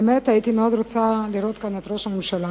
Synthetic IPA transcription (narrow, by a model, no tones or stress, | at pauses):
met̪ait̪imeo̞d̪ɾot͡saliɾo̞t̪̚kanet̪ɾo̞ʃamimʃala